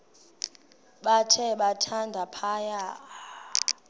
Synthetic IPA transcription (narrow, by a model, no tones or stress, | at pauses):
ɓatʰɛɓatʰandʱapʰaja